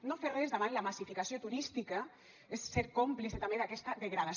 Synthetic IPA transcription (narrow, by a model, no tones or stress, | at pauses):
noferezðaβanlamasifikasiot̪uɾist̪ika | esːeɾkompliset̪ambeðakɛst̪ɐðeɣɾaða